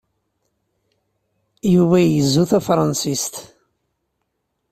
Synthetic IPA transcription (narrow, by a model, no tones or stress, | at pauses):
juvæjəzːuθæfɾˤɑnsist̪